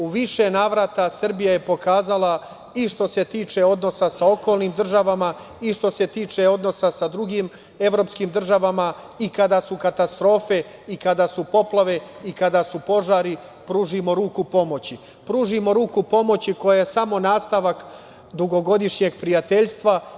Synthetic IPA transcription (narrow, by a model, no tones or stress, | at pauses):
uʋiʃe̞naːʋɾat̪asr̩bijaje̞po̞kaːzala | iʃt̪o̞se̞t̪iːt͡ʃe̞o̞d̪no̞sasao̞ko̞ːlnimd̪r̩ʒaʋama | iʃt̪o̞se̞t̪iːt͡ʃe̞o̞d̪no̞sasad̪ɾuɡiːm | e̞ʋɾo̞pskiːmd̪r̩ʒaʋama | ikad̪asukat̪ast̪ɾo̞ːfe̞ | ikad̪asupo̞plˠaʋe̞ikad̪asupo̞ʒaːɾi | pɾuːʒimo̞ɾuːkupo̞mo̞t͡ɕi | pɾuːʒimo̞ɾuːkupo̞mot͡ɕiko̞jajesamo̞naːst̪aʋak | d̪uɡo̞ɡo̞d̪iʃɲe̞ɡ̚pɾijat̪eʎst̪ʋa